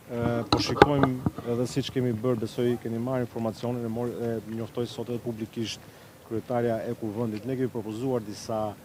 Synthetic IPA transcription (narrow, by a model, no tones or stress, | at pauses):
pɔʃikɔjmɛðɛsit͡ʃə̥kɛmibəɾbɛsɔjkɛmimaɾinfɔɾmat͡siɔninɛmɔɾɛɲɔft̪ɔjsɔt̪ɛðɛpublikiʃt̪ | kɾyɛt̪aɾjaɛkuvɛnd̪it̪nɛkɛmipɾɔpɔzuaɾd̪isa